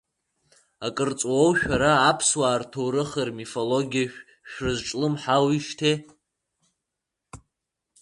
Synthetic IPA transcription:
akʼɨrt͡sʼwowʃᶣaɾaːpʰswaːrtʰowɾɨχərmifoloɡʲiaʃᶣ | ʃᶣrɨzʈ͡ʂʼlɨmħawiʃtʰe

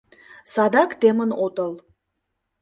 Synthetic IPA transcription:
sɑd̪ɑkt̪emənot̪əlˠ

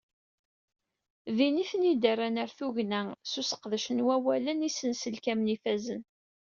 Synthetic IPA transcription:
ðiniθnid̪əranəɾθuʝnæsusə̥qðəʃənwæwælənisənsəlkæmnifæzən

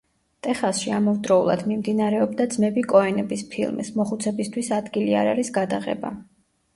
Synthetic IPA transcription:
t̪ʼɛχasʃiamɔvd̪ɾɔulˠa̰d̪mimd̪inaɾɛɔbd̪ad̪zmɛbikʼɔɛnɛbispʰḭlˠmḭsmɔχut̪sʰɛbist̪ʰwisad̪ɡilia̰ɾaɾisɡad̪aʁɛ̰ba̰

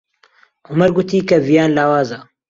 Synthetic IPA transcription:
ʔʊmɐɾɡʊt̪iːkɐvijaːnlaːwaːzɐ

